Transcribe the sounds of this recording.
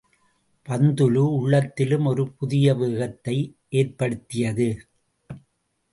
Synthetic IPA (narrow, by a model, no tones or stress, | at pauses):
pɐnd̪ɯlɯʊɭːɐt̪ːɪlɯmɔɾɯpʊðɪjɐʋɯːɣɐt̪ːɐɪʔeːrpɐɽɯt̪ːɪjɐðɯ